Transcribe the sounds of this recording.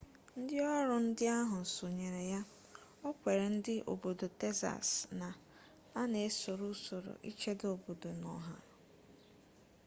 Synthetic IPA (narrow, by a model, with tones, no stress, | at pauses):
n̩˦dɪ˦ɔ˦ɾʊ˨n̩˦dɪ˦a˦ɦʊ˨so˨ɲe˨ɾe˨ja˦ | ɔ˦kʷe˨ɾe˨n̩˦dɪ˦ʔo̰˨bo˨do˨te˦za̰˨sna˨ | a˦ne˨˦so˨ɾu˦so˨ɾo̰˨ʔḭ˦t͡ʃe˦do˨bo˨do˨nɔ̰˨ɦa̰˨